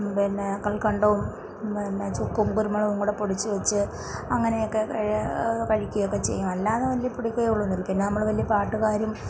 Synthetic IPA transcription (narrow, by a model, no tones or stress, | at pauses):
pinːekɐɭkɐɳɖɐʋum | pinːet͡ɕukːumkuɾumɐɭɐʋuŋːɡuɽepoɽit͡ɕːɨʋɐt͡ɕːɨ | ɐŋːɐne̞jokːeɐkɐɻikʲːujɐjokːet͡ɕe̞̰jːumɐlːaːnːɐʋɐlːiɐpuɽikʲːɐjuɭːonːirkʲːinːnɐmːɐɭʋɐlːijɐpaːʈːuɣaːɾum